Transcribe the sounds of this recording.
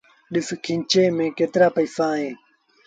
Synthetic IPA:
ɗɪskʰĩɲt͡ɕeːmẽːkeːt̪ɾaːpəisãːɦẽː

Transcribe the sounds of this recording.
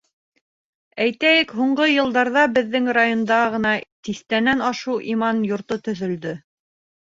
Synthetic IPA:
æjt̪æjɘkɦuɴɢɤjɤ̆lˠd̪ɑɾðɑbɘ̆ðːɘŋrajond̪ɑʁɤ̆nɑt̪iθt̪ænænɑʃuwʔimɑnjŏɾt̪ot̪ɵ̆ðɵ̆ld̪ɵ

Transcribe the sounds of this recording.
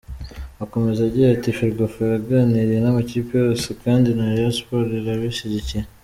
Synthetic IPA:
ako̞me̞zaɟiɾatifiɾɡofeɾaɡaniɾijenamaciːpijo̞ːsekaːndinaɾeaspo̞ɾeɾaβiʃiɟiciɾe

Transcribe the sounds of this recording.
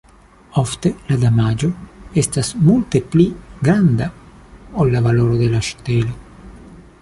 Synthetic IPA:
oft̪e̞lad̪amad͡ʒo̞estasmult̪epliɡɾand̪aolːavalo̞ɾod̪e̞laʃtele

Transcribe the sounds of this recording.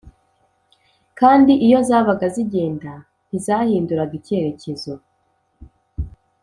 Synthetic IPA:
kaːndiʔijo̞zaːβaɡaziɟe̞ːnda | n̥izaːhiːnduɾaɡice̞ɾe̞ce̞zo

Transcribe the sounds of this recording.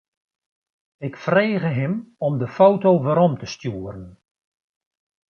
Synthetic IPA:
ɪkfreːɣəɦɪmɔmdəfowtowʋəɾɔmtəstjuːəɾən

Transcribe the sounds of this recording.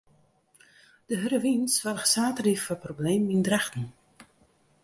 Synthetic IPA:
d̥əɦəɾəʋinsʋarəxsaːtriffɔprobleːmindrɛxtn̩

